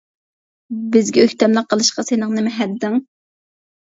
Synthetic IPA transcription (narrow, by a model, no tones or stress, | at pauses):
bɪzɡʲɛøçʲt̪ɛmlɨqʰːəlˠɨʃqɑsenɪŋnɪmɪɦɛd̪ːɪŋ